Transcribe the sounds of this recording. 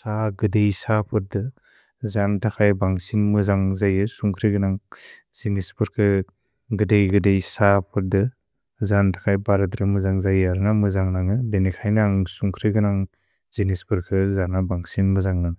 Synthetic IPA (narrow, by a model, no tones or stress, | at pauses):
saɡɯdejsapʰɯt̚dɯ | zantʰakʰajbaŋsinmɯzaŋzajɯsuŋkʰɾɯɡɯnaŋ | zinispɯɾkʰɯ | ɡɯdejɡɯdejsapʰɯɾ̚dɯ | zantʰḁkʰajbaɾɯdɾɯmɯzaŋzajaɾɯnamɯzaŋnaŋɯdenikʰajnaŋsuŋkʰɾɯɡɯnaŋ | zinispɯɾkʰɯzanabaŋsinmɯzaŋnaŋ